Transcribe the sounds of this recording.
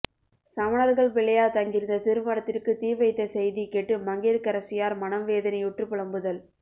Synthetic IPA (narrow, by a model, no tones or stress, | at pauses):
sɐʋɐnɐɾɣɐɭʋɪɭɐjaːt̪ɐŋɡɪɾɯnd̪ɐt̪ɪɾɯmɐɽɐt̪ːɪrkɯt̪iːʋɐɪt̪ːɐsɛjðikeʈːɯmɐŋɡiɾkɐɾɐsɪjaːɾmɐnɐmʋeːðɐnɐɪʊʈrɯpːɪɭɐmbɯðɐl